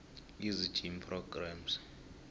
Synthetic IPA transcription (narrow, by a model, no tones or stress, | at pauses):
izi̥d͡ʒ̥ʱimpʰrɔɡ̥rams